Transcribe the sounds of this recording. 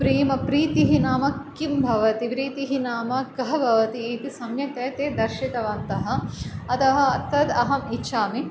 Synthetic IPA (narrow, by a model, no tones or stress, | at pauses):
pɾiːmɐpɾiːt̪iɦinaːmɐkkimbʱɐʋɐt̪ipɾiːt̪iɦinaːmɐkɐɦɐbʱɐʋɐt̪iːt̪isɐmjɐt̪eːt̪eːd̪ɐɾʃit̪ɐʋɐnt̪ɐɦɐ̆ɐt̪ɐɦɐ̆ɐt̪ːɐd̪ɐɦɐmitːʃaːmi